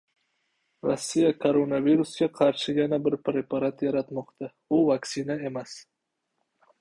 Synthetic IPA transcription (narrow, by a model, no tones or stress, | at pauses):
ɾosːijakʰoɾo̞naviɾusɡʲaqʰɑɾʃɪjanabɪɾpɾe̞pʰaɾat̪jaɾat̪mɒqt̪ʰa | ʊvaksɪnae̞mas